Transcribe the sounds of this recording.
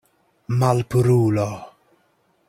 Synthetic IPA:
malpʰuɾuːlɔ

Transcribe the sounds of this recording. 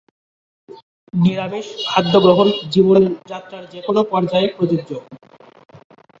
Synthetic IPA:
niɾabeʃkʰad̪ʱːoɡɾoɦold͡ʑibond͡ʑat̪ːɾaɾd͡ʑekolopɔɾd͡ʑaepɾod͡ʑoɡ̚d͡ʑoɡ

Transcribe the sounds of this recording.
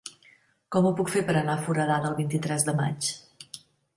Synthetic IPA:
kɔmupukfepəɾənaəfuɾəðaðəlˠβint̪it̪ɾɛzðəma̰t͡ʃ

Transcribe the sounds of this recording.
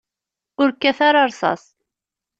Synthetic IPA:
ʊɾkːæθaɾˤɑɾsˤɑ̰s

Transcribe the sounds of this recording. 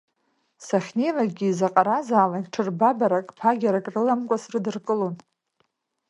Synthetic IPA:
saχʲne̞jlaɡʲizaqʼaɾazaːlakʲʈ͡ʂʰɨrbabaɾakʼpʰaɡʲaɾakʼrɨlamkʷʼasrɨdɨrkʼɨlo̞n

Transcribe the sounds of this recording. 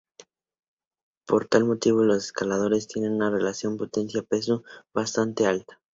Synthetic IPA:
po̞ɾt̪almo̞t̪iβolo̞se̥skalað̞o̞ɾe̞st̪je̞ne̞nunare̞lasjo̞mpo̞t̪e̞nsjape̞suβast̪ant̪e̞alt̪ḁ

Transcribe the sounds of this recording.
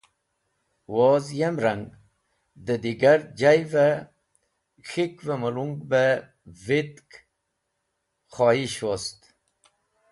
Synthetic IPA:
wozjemɾaŋɡ | d̪əd̪iɡaɾd͡ʑajve | xikveməluŋɡbe | vit̪k | χɑːɦiɕwost̪

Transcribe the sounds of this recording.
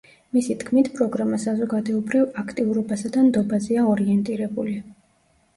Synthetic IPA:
misit̪ʰkʰmit̪ʰpʼɾɔɡɾamasazɔɡad̪ɔɔbɾivakʰt̪ʼiuɾɔbasad̪amd̪ɔbazɛaɔɾiɛnt̪ʼiɾɛbuli

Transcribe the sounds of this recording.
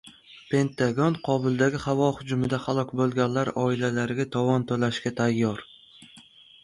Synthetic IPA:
pʰe̞nt̪ʰaɡonqʰɒbɪld̪aɡʲɪhavɒhʊd͡ʒʊmɪd̪ahalˠɒkʲbolˠɡʲanlaɾɒɪlalaɾɪɡʲat̪ʰɒvɒnt̪ʰolaʃkʲat̪ʰajːɒɾ

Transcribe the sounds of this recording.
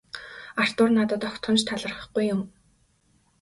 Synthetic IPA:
ar̥t̪ʊrnat̪ə̆t̪ɔxt̪χə̆nt͡ɕt̪ʰaɮə̆rχə̆χɡujːʊm

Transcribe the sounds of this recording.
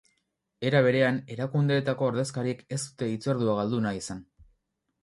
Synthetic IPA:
e̞ɾaβ̞e̞ɾe̞ane̞ɾakund̪e̞ːt̪ako̞ːɾðe̞skaɾie̞ke̞st̪u̥t̪e̞it͡so̞ɾðuaɣald̪unajisan

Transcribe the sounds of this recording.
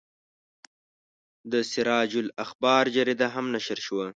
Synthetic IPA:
d̪əsɪɾɑd͡ʒʊlaxbɑːɾd͡ʒaɾid̪aɦamnaʃəɾʃwa

